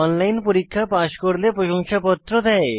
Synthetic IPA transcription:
ɔnlajnpoɾikʰːapaʃkoɾlepɾoʃoŋʃapɔt̪ːɾod̪ɛe

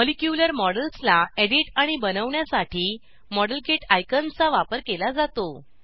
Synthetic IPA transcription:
molikjuləɾmɔɽəlslaeɽiʈaɽ̃ibənəʋɳjasaʈʰiː | mɔɽəlkeʈajkənt͡saʋapəɾkelad͡zat̪o

